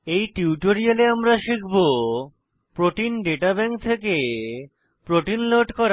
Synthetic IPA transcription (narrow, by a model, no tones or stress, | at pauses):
ejʈiwʈoɾialeamɾaʃikʰbo | pɾoʈinɖeʈabɛŋk̚t̪ʰeke | pɾoʈinloʈkɔɾ